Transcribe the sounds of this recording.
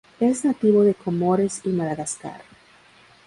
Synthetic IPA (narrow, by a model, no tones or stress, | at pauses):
eznat̪iβo̞ðe̞komoɾesimalaɣaska̰ɾ